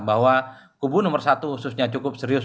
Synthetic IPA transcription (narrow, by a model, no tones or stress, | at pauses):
baɦwa | kubunɔmərsat̪uhusʊsɲat͡ʃukʊp̚sɛɾiʊs